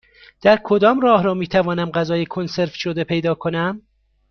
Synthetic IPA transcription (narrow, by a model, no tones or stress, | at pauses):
d̪̥æɾkʰo̞d̪ɒːmrɒːhɾɒːmiːt̪ʰævɒːnæmɢæzɒːjekʰonse̞ɾfʃod̪e̞pʰe̞jd̪ɒːkʰonæm